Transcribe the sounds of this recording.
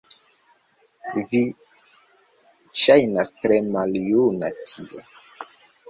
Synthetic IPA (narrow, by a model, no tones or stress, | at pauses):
vi | ʃajnastɾemaljuna̰tʰiʔe